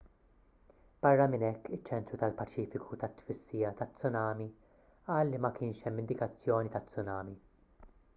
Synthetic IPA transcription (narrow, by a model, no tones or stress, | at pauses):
b̥ɐrːɐmɪnɛkːɪt͡ʃːɛnt̪ɾut̪ɐlpɐt͡ʃiːfɪkʰut̪ɐt̪ːwɪsːiːjɐt̪ɐt͡sːʊnɐːmi | ʔɐːlːimɐkɪːnʃɛmːɪnd̪ɪkɐt͡sːjɔːnit̪ɐt͡sːʊnɐːmi